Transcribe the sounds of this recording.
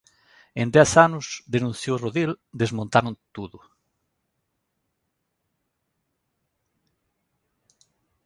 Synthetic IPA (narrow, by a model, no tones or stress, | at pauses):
ẽnd̪ɛθanʊsd̪enũnθjowroðild̪ezmõnt̪aɾʊ̃nt̪uðʊ